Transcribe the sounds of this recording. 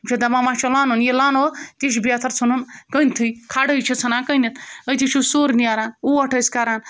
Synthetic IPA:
t͡ʃʰed̪ɐmamaːt͡ʃʰolaːnunjelaːnot̪eʃ̬bijaːt̪ʰɐɾt͡sʰununkəjnt̪ʰɨjkʰaːɖəjt͡ʃʰit͡sʰɐnaːkəjnit̪əjt̪ʰit͡ʃʰusoːɾnijaːɾaːnuɐʈʰɐskaɾaːn

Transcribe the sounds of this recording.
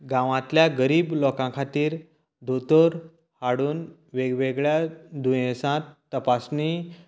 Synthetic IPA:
ɡãʋãt̪ljaɡəɾiːblɔkãkʰat̪iːɾ | d̪ʱot̪əɾ | haɽuːn | ʋeɡʋeɡɭjad̪ũjɛ̃sãt̪ːəpasni

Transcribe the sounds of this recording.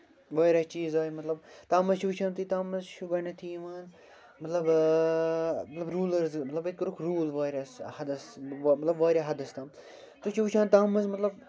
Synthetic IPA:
ʋaːɾɐst͡ʃiːzaːjimɐt̪lɐb̚t̪aːmɐzt͡ʃʰuʋut͡ʃʰãːnt̪ʰit̪aːmːɐzʃuɡɐnɐt̪ʰiːʋaːn | mɐt̪lɐb | mɐt̪lɐbɾuːlɐɾzmɐt̪lɐbit̪̚kɾukʰɾuːlʋaːjɾɐshɐd̪ɐsmɐt̪lɐbʋaːɾʲaɦɐd̪ɐst̪aːm | t̪ut͡ʃʰit͡ʃʰãːnt̪aːmɐzmɐt̪lɐb

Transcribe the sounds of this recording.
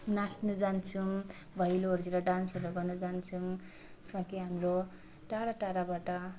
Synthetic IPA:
nasnud͡zant͡sʰum | bʱʌjloɦoɾd͡ziɾʌɖansʌɾʌɡʌnud͡zant͡sʰum | sʌkiɦamro | ʈaɾaʈaɾabaʈʌ

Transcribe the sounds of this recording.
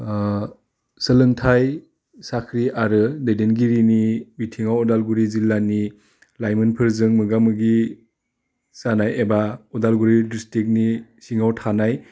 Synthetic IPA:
sɯlɯŋtʰaj | sakʰɾiʔaɾɯdedenɡiɾinibitʰiŋawɔdalɡuɾizilːani | lajmɯnpʰɯɾzɯŋmɯɡamɯɡi | sanajebaɔdalɡuɾidistik̬̚nisiŋawtʰanaj

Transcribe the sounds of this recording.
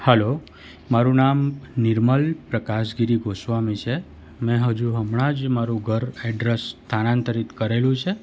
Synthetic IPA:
hɛlo | maɾũnamnɪɾməlpɾəkaʃɡiɾiɡʱosʋamĩt͡ʃʰe | mɛ̃ɦəd͡ʒuɦəmɳad͡ʒmaɾũɡʱəɾɛɖɾest̪ʰanãnt̪əɾit̪kəɾelũt͡ʃʰe

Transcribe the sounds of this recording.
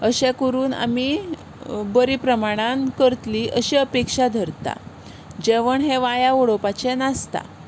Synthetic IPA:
əɕɛ̃kəɾuːna̰mi | bəɾipɾəmaɽ̃ankəɾt̪liʔəɕiəpekʂad̪ʱəɾt̪a̰ | d͡ʑeʋəɳɦẽʋajaoɽopat͡ɕɛnast̪a̰

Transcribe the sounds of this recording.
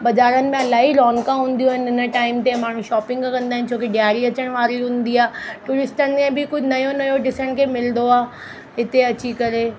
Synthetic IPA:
bɐzaːɾənɪ̆mẽɐlaːɦilɔːŋkãɦũːn̆d̪ijũɦɪnɪnəʈaːɪmt̪emaːɽ̤ũʃɔːpɪ̃ŋɡkɐ̃nd̪aːɪ̃nɪ̆t͡ɕʰoːkeɖijaːɾiɐt͡ɕəɽ̃ʋaːɾiɦũːnd̪iaːʈuːɾɪsʈənɪ̆mẽbʱɪkʊd͡ʑʱnɐjonɐjoɖɪsəɽ̃kʰemɪlnd̪oaː | ɦɪt̪eɐt͡ɕikɐɾeː

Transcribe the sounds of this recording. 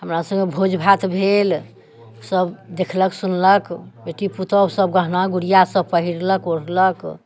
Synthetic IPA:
ɦəmɾasə̃ŋɡebʱod͡ʒbʱat̪bʱel | səbd̪ekʰləksunləkbeʈiput̪əbsəb̚ɡəɦnaɡuɽijasəb̚pəɦiɾləkoɾlək

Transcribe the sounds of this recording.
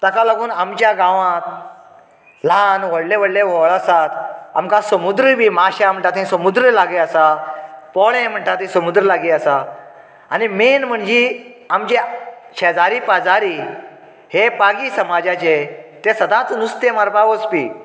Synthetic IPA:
t̪akalaɡuːnamt͡ɕjaɡãʋãt̪ | lanʋəɽleʋəɽleʋɔɭasat̪a̰mkãsəmud̪ɾəbiːmaɕam̤əɳʈat̪ɦĩsəmud̪ɾəlaɡeəsapɔɭẽm̤əɳʈat̪ɦĩsəmud̪ɾəlaɡiəsa | animenm̤əɳd͡ʑi | amd͡ʑet͡ɕʰɛd͡zaɾipad͡zaɾi | hepaɡiːsəmad͡ʑat͡ɕet̪esəd̪ãt͡snust̪emaɾpaʋəspḭː

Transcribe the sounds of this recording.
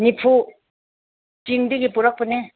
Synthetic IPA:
nipʰu | t͡ʃiŋdɯɡipuɾak̚pɯne

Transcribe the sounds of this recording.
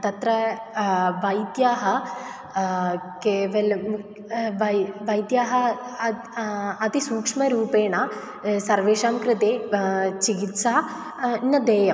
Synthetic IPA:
t̪ɐt̪ɾɐ | ʋɐjd̪jaːɦɐ | keːʋɐlɐ | ʋɐʋɐjd̪jaːɦɐ | ɐt̪isuːkʂmɐɾuːpeːɳa | sɐɾʋeːʂaːmkɾɨt̪eːt͡ʃiɡit̪saː | nːɐd̪eːjɐm

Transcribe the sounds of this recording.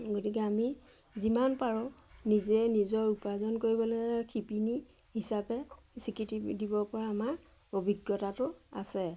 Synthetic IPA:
ɡotik̬ɛami | zimanpaɹɔnizɛnizɔɹupazɔnkoɹibɔlekʰipini | ɦisapɛ | sikitidibɔɹpɔɹaːmaɹ | obʱiɡjɔtatʊasɛ

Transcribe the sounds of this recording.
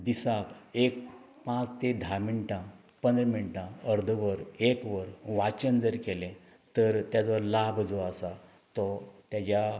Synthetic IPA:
d̪isakek̚ | pãt͡st̪ed̪ʱamiɳʈã | pənd̪ɾəmiɳʈãəɾd̪ʱəʋəɾekʋəɾʋat͡ɕənd͡zəɾkelẽ | t̪əɾt̪jad͡zʋəɾlabd͡zɔasa | t̪ɔt̪jat͡ɕja

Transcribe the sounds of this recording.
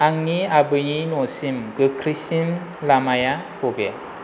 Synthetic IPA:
aŋniabɯjinɔsimɡɯkʰɾisim | lamajapobe

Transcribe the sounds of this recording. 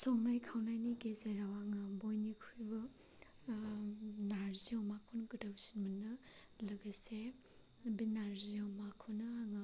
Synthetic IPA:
sɔŋnajkʰawnajniɡezeɾawaŋɯbɔjnikʰujbɯ | naɾziɔwmakʰunɡɯdawsinmɯnːɯ | lɐɡəse | binaɾziawmakʰunɯaŋ

